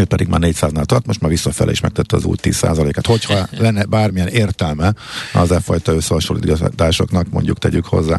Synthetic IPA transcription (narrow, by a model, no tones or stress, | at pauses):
øːpɛd̪iɡma̰ːrneːcsaːznaːlt̪ɒrt̪mo̞ʃt̪maːrʋisːɒfɛ̰lʔɛ̰ḭʃmɛ̰k̚t̪ɛt̪ːɛɒ̰zṵːjt̪iːssa̰ːzɒleːkaːt̪ho̞chɒlɛnːɛbaːrmijɛneːrt̪ɛlmɛɒ̰zɛfɒjt̪ɒøsːɛɒʃulːiːd̪t̪aːʃo̞knɒkmo̞̰ɲɟukt̪ɛɟykho̞̰zːa̰ː